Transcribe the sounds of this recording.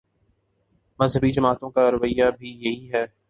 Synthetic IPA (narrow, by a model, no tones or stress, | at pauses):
mɐzɦəbid͡ʒɐmaːt̪õkaɾʊʋəɪjːabʱijɐɦiɦɛː